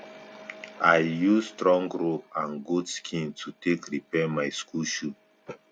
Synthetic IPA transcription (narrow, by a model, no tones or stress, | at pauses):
aɪjuzstɹɔ̃ŋɡɹoãnɡudskʰĩntʰutʰekɹipɛmaɪskʰulʃu